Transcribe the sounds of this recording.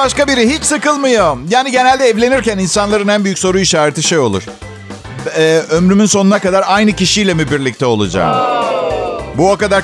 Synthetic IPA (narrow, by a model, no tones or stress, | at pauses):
aʃkabiɾiɦit͡ʃsɯkɯlˠmɯjojaːniɟe̞nælʲd̪ɛːvlʲe̞niɾcæninsanlˠaɾɯnænbyjycʲso̞ɾuiʃaːɾet̪ʰiʃejo̞lˠuɾ̥ | ɛːømɾymynso̞nunakad̪aɾajnɯciʃijlʲɛmibiɾlʲic̚t̪ʰɛo̞lˠṵd͡ʒa̰ːmɯ̰ | buakad̪aɾ